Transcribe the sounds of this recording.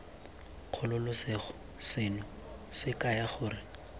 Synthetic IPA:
q͡χʰʊlʊlʊsɪχʊ | sɪnʊ | sɪkʼajaχʊːrɪ

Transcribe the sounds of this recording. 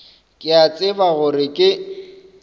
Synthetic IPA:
kʼɪat͡sʼɪbaɣʊrɪkʼɪ

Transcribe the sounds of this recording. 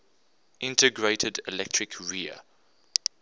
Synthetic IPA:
ʔɪ̃ntəɡɹeɪtʰədɪlɛk̚tʰɹ̥ɪkʰɹiə̰

